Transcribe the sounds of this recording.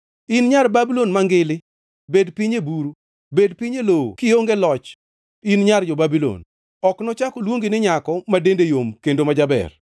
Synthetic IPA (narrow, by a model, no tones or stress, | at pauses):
inɲarbabilonmaŋɡɪlɪ | bedpiɲebuɾu | bedpiɲelokɪoŋɡelɔt͡ʃ | inɲard͡ʒɔbabilo̰n | ɔknɔt͡ʃakɔlwoŋɡinɪɲakɔmadendejomkendomad͡ʒabɛ̰r